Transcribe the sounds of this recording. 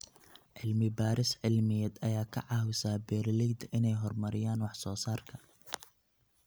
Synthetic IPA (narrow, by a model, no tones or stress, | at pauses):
ʕɪlmɪbaːɾɪsʕɪlmɪjɛd̪ɐjaːkʰɐ̰ʕɑhʊsaːbɛːɾlɛjd̪ʔɪnɛjɦɔrmɐɾɪjaːnwɑħsɔːsaːrkʰɐ